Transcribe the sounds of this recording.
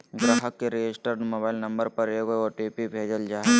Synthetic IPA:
ɡɾəɦəkːeɾijesʈəɾnmoːbaːɪlnɐ̃mbəɾpɐɾeɡoeoːʈiːpibʱeːd͡ʒəld͡ʒaːe

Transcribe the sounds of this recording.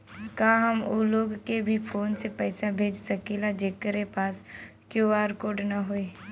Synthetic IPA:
kãːɦəmuːloːɡkebʱipʰoːnsepɛːsabʱeːd͡ʒsəkilad͡ʒeːkəɾepaːs | kjuaːɾkoːɖnaɦoe

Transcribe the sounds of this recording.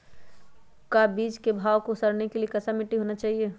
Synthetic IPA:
kabiːt͡ʃkebʱaːʋkosəɾnekeliekɐsamɪʈiɦoːnat͡ʃaːɦie

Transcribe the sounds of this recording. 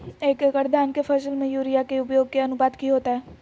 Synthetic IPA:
eːkkəʈd̪ʱaːnkefʰəsəlmẽjuːɾijakeʊpjoːɡ̚keɐnʊbaːd̪kiɦoːt̪aɦɛː

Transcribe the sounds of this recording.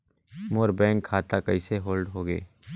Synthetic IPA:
moːɾbɛ̃ːŋkʰːaːt̪akɐiseɦoːlɖɦoːɡḛː

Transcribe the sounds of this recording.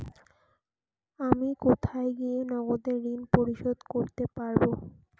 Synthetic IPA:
amikot̪ʰaeɡienɔɡod̪eɾːinpoɾiʃod̪koɾt̪epaɾbo

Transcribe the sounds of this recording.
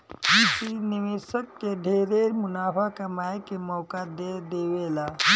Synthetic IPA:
ɦisiniʋesəkːeɖʱeɾeɾmunapʰakəmajekemɔkad̪ed̪eʋela

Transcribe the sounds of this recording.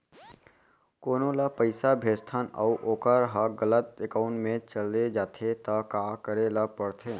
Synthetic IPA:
koːnõlapəɪsabʱeːst̪ʰanauʔoːkəɾɦaɡələt̪̚ekaːʊ̃ɳʈmẽt͡ʃəled͡ʒaːt̪ʰet̪akaːkəɾelapəɽt̪ʰeː

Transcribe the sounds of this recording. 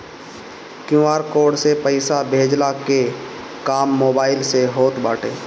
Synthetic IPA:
kjũaːɾkoːɖsepəɪsabʱeːd͡ʒlake | kaːmːoːbaːɪlseɦoːt̪baːʈʰeː

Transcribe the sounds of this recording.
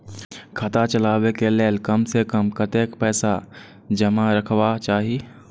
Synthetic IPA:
kʰət̪at͡ʃəlaːwekeleːlkɐmsekəmkət̪eːkpɛːsa | d͡ʒəmaɾəkʰwat͡ʃaːɦie

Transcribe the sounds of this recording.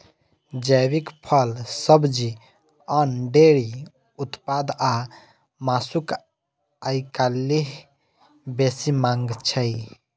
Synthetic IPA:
d͡ʒəβikpʰəlsəbd͡ʒi | ənɖeɾi | ut̪pad̪a | masuk | ajkalːiɦ | besimãŋɡt͡ʃʰəj

